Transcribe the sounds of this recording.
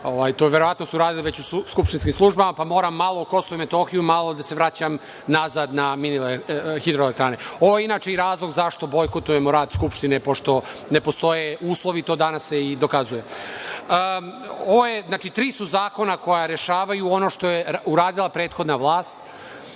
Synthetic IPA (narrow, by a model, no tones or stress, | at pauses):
oʋajt̪oʋe̞ɾoʋat̪nosuuɾaːd̪iliʋe̞t͡ɕuskupʃt̪inskimslˠuʒbamapamo̞ːɾamːalo̞uko̞soʋuime̞t̪o̞xijumalˠo̞d̪ase̞ʋɾat͡ɕam | nazad̪naminilexid̪ɾoelekt̪ɾaːneoʋojeinaːt͡ʃe̞iɾaːzlˠo̞ɡzaʃt̪o̞bo̞jkot̪ujemoɾaːd̪skupʃt̪inepo̞ʃt̪o̞ne̞po̞st̪o̞jeuːslˠo̞ʋit̪o̞ːd̪anasjeid̪o̞kazuje̞əoʋojeznaːt͡ʃit̪ɾiːsuzaːko̞nako̞jaɾeʃaːʋajuo̞no̞ʃt̪o̞jeuɾaːd̪ilˠapɾeːt̪xo̞d̪naʋlˠaːst̪